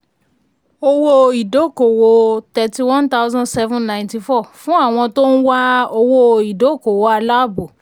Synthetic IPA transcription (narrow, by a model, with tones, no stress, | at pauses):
o˧wo˧i˨do˨˦˨ko˨wo˧˨tɛ˧ti˧wɔ̃˦nta˦ʊ˦zɔ̃˦dsɛ˦vũ˦nnã˨j̃nti˧fɔ˦˨fũ˦a˦˨w̃ɔ̃˧to˦ñ̩˦wa˦o˧wo˧i˨do˨˦˨ko˨wo˨˧a˧la˦˨bo˨